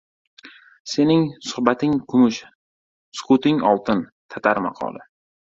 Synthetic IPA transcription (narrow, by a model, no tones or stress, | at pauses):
se̞nɪŋsʊhbat̪ɪŋkʰʊmʊʃ | skʊt̪ɪŋɒlˠt̪ʰɪnt̪ʰat̪ʰaɾmɑ̰qʰɒ̰lˠɪ̰